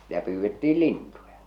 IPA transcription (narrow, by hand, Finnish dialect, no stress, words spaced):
sĭtæ pyːʋːetːiː lintujɑ